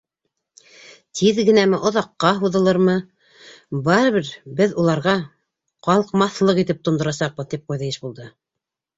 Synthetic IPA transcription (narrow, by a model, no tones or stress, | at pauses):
t̪ʰiðɡɘ̆næmɘʔŏðɑqːɑɦuðɤ̆lˠɤɾmɤ | bɑɾɤ̆βɘɾbɘðulˠɑɾʁɑ | qɑlˠɤqmɑθlˠɤqit̪ɘp̚t̪ŏnd̪ŏɾɑsɑq̚bɤðt̪ip̚qujðɤjɘʃbulˠd̪ɤ